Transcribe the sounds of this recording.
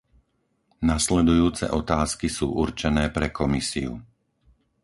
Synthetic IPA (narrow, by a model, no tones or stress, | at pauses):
naslɛd̪ujuːt͡sɛ̰ʔɔt̪aːskisṵːʔuɾt͡ʃɛnɛːpɾɛkɔmisiṵ